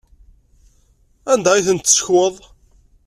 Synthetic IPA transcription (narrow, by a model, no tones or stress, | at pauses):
ænd̪æiθənt̪ːsə̥çwəðˤ